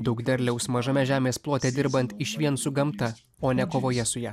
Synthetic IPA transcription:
d̪ɐʊkd̪ʲɛɾʲlʲɛʊsmɐʒɐmʲɛʒʲæːmʲeːsplˠoːt̪ʲɛd̪ʲɪɾbɐnʲt̪ɪʃʲʋʲiɛnsʊɡɐmt̪ɐ | oːnʲɛkoːʋoːjɛsʊjæː

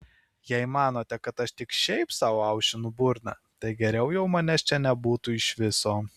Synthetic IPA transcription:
jɛɪmɑːnoːt̪ʲɛkɐt̪ɐʃt̪ʲɪkʃʲɛɪpsɑːʋoɐʊʃʲɪnʊbʊɾnɑ̰ | t̪ɐɪɡʲɛɾʲɛʊjɛʊmɐnʲɛst͡ʃʲɛnʲɛbuːt̪ʊɪʃʋʲɪsoː

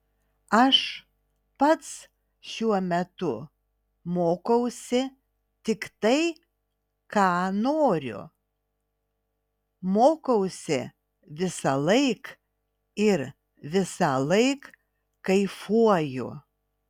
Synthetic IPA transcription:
ɐʃ | pɐt̪s | ʃʲuɔmʲɛt̪ʊ | moːkɐʊsʲɪ | t̪ʲɪkt̪ɐɪ | kɑːnoːɾʲʊ̰ | moːkɐʊsʲɪ | ʋʲɪsɐlˠɐɪk | ɪɾ | ʋʲɪsɑlˠɐɪk | kɐɪfuɔjʊ̰

